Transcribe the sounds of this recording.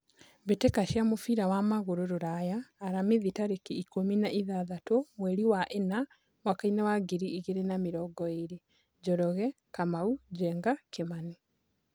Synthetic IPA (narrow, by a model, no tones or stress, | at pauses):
βetekaʃjamofiɾawamaɣoɾoɾoɾajaːɾamiðitaɾekeikominaʔiðaðatomweɾiwaʔena | wakainawaɡeɾiːɣeɾenamiɾɔɡɔeɾe | ɟɔɾɔɣɛ | kamauɟɛːŋɡakemani